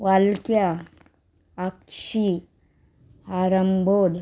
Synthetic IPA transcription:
walkja | kʃi | haɾəmbol

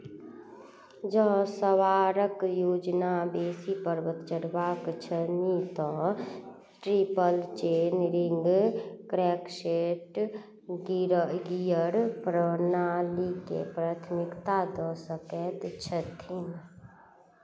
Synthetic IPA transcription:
d͡ʒə̃ɦsəwaɾəkjoːd͡ʒnabeːsipəɾbət̪t͡ʃəɽbakt͡ʃʰənit̪ɔ̃ | ʈɾipəlt͡ʃeːnɾɪŋɡkɾɛkʃeʈ | ɡiɾəɡijəɾpɾənalikḛpɾaːt̪ʰmɪkt̪ad̪ɔsəkɛt̪t͡ʃʰət̪ʰin

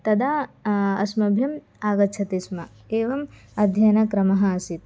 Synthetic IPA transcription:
t̪ɐd̪aːɐ̰smɐbʱjɐm | aːɡɐt͡ʃʰɐt̪ismɐkeːʋɐm | ɐd̪ʱjɐjɐnɐkɾɐmɐɦɐɐsit̪

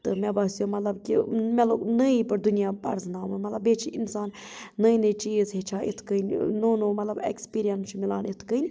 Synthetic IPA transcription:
t̪ɨmɛbɐsijomɐt̪lɐbkʲḭmɛlonəipɨɾd̪unijaːpɐ̰ɾznaːmɨnmɐt̪lɐbet͡ʃʰiʔinsaːnːəjnɨjt͡ʃiːzɦet͡ʃʰaːit̪ʰkənʲnonumɐt̪lɐbḛkspiːɾijɐnt͡ʃʰumila̰ːnit̪ʰkɨnʲ

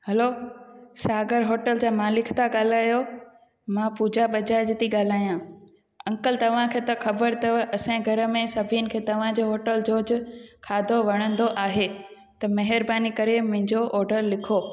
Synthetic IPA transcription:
hɐlosaːɡəɾɦoːʈəld͡ʑaːmãːlɪkʰt̪aɠaːl̤aːjo | mãpuːd͡ʑaɓɐd͡ʑaːd͡ʑt̪iɠaːl̤aːjã | ɐ̃ŋkəlt̪ɐʋ̤ãkʰeːt̪ɐxʰɐbəɾt̪ɐɐsãɡʱɐɾə̆mẽsɐbʱinɪ̆kʰeːt̪ɐʋ̤ãd͡ʑoːɦoːʈəld͡ʑoːd͡ʑkʰaːd̪ʱoʋɐɽ̃ə̃nd̪oʔaːɦe | t̪ɐmɐɦɪɾbaːnikɐɾemʊ̃ɦɪ̃ɲd͡ʑoʔɔːɾɖəɾlɪkʰoː

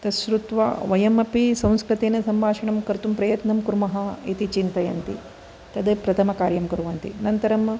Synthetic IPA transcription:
t̪ɐʃɾut̪ʋa̰ːʋɐjɐmɐpisɐ̃w̃skɾit̪eːnɐsɐmbʱaːʂɐɳɐmkɐɾt̪umpɾɐjɐt̪nɐmkuɾmɐɦɐit̪it͡ʃint̪ɐjɐ̰nt̪ḭ | t̪ɐd̪epɾɐt̪ʰɐmɐkaːɾjɐmkuɾuʋɐnt̪inɐnt̪ɐɾɐm

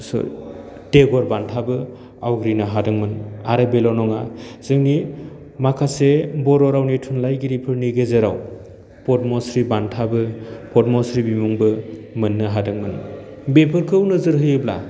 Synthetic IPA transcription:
sɔ̰ | teɡɔɾbantʰabɯ | awɡɾinɯɦadɯŋmɯnaɾɯbelɔnɔŋaz̥ɯŋni | makʰasebɔɾɔɾawnitʰunlajɡiɾipʰɯɾniɡezeɾaw | pɔtmɔsɾibantʰabɯpɔtmɔsɾibimuŋbɯmɯnːɯɦadɯŋmɯn | bepʰɯɾkʰɯwnɯzɯɾɦɯjɯbla̰

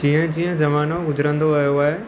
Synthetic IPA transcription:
d͡ʑĩːə̃d͡ʑĩːə̃zɐmaːnoɡʊzəɾə̃nd̪oʋɐjoaːɦeː

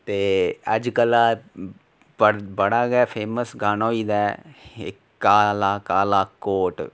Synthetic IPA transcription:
t̪eːə̰d͡ʒkəlaː | əbəɽaːɡɛːpʰeːməsɡaːnãːiːd̪ɛːɪ̰ | kaːlaːkaːlaːkoːʈ

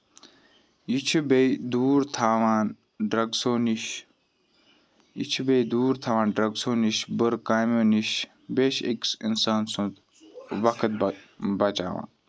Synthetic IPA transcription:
it͡ʃʰibeid̪uːɾt̪ʰaːʋaːn | ɖɾɐɡsoːniʃ | ḭt͡ʃʰbejd̪uːɾt̪ʰaːʋãːnɖɾɐɡsoːniʃbəɾkaːjmoːniʃ | beːʃḛksinsaːnsũt̪ | ʋɐkʰət̪̚bɐt͡ʃa̰ːʋa̰ːn

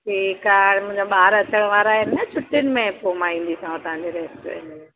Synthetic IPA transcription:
ʈʰiːkaɽ̃mʊ̃ɪ̃ɲd͡ʑõɓaːɾɐt͡ɕəɽ̃ʋaːɾaːɦenɐt͡ɕʰʊʈːɪnɪ̆mẽpomaːĩːn̆d̪isãt̪ɐʋ̤ãɲd͡ʑeɾeːsʈʋḛ̃nd̪e

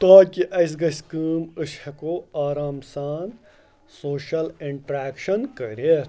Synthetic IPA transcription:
t̪aːkiʔɐs̬ɡɐskɨːməʃhɐkoaːɾaːmsaːn | soːʃɐliɳʈɾeːkʃɐnkɐɾe

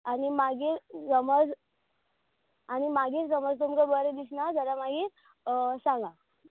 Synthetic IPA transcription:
animaɡiːɾsəməd͡z | añimaɡiːɾsəməd͡zt̪umkəbəɾed̪isnad͡zəɾamaɡiːɾ | sãŋɡa

